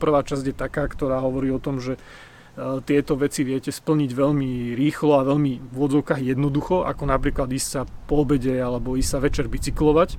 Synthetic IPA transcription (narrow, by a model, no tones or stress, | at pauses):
pr̩ʋaːt͡ʃazɟjɛt̪akaːkt̪ɔɾaːɦɔʋɔɾiːɔt̪ɔmʒɛ | t̪ɪɛt̪ɔʋɛt͡siʋɪɛcɛspl̩ɲiɟʋɛʎmiɾiːxlɔaʋɛʎmiʋʊɔd͡zɔʊkaːɣjɛd̪nɔd̪uxɔʔa̰kɔnapɾiːklad̪iːssapɔbɛɟɛalɛbɔiːssaʋɛt͡ʃɛɾbit͡siklɔʋac